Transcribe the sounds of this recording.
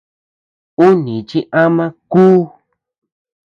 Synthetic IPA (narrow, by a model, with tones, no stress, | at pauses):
u˦nĩ˨t͡ʃi˦ʔa˦mã˦kuː˦